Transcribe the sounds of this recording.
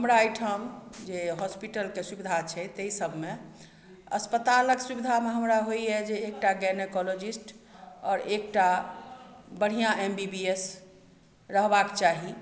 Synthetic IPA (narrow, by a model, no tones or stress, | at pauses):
ɦəmɾaːjʈʰəmd͡ʒeɦɔspiʈəlkesubid̪ʱat͡ʃʰɛt̪əisəbʱmẽ | əspət̪aləksubid̪ʱameɦəmɾaɦojɛd͡ʒeːk̚ʈaɡɛnekɔlod͡ʒisʈɔːɾek̚ʈa | bəɽ̤ijãʔembibies | ɾəɦbakt͡ʃaɦi